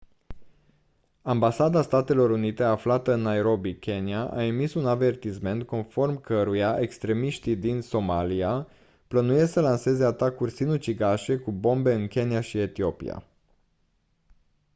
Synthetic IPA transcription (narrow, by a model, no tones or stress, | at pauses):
ambasad̪ast̪at̪e̞lo̞ɾunit̪e̞aflat̪əɨnːaeɾo̞bikʲe̞niaʔa̰emisunave̞rt̪isme̞nt̪̚ko̞nfo̞rmkəɾujaʔe̞kst̪ɾe̞miʃt̪id̪inso̞malia | plənujesəlanse̞ze̞at̪akurʲsinut͡ʃiɡaʃe̞kubo̞mbe̞ɨnkʲe̞niaʃie̞t̪io̞pḭja̰